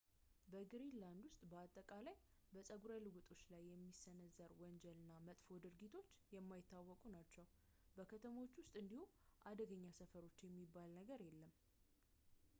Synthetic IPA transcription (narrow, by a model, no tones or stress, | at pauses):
bəɡɨɾinland̪wʊst̪ʼbəat̪ʼːəkʼalaj | bəsʼəɡuɾajlɨɡut̪ʼo̞t͡ʃːlajːɛmːisənəzːəɾwɔnd͡ʒɛlɨnːamət̪ʼfo̞d̪ɨɾɡit̪ʰo̞t͡ʃːjɛmːajɪt̪ːawːɔkʼunat͡ʃːɛw | bəkʰət̪ʰəmot͡ʃːwʊst̪ʼɨnd̪ihuʔad̪əɡəɲːasəfəɾo̞t͡ʃːjɛmːibːalnəɡəɾjɛlːəm